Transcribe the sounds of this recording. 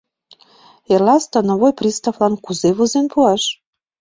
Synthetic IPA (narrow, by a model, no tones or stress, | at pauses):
erlɑst̪ɤ̆noβojprʲist̪avlɑnkuzeβozenpuɑʃ